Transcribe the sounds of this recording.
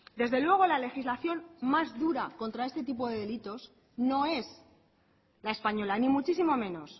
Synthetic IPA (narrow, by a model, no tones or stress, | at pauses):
d̪e̞zðe̞lweɣ̞o̞lale̞xizlaθjo̞nmazðuɾako̞nt̪ɾae̞st̪e̞t̪̬ipo̞ðe̞ðe̞lit̪o̞s | no̞e̞s | lae̞spaɲo̞lanĩmut͡ʃisimo̞mẽ̞no̞s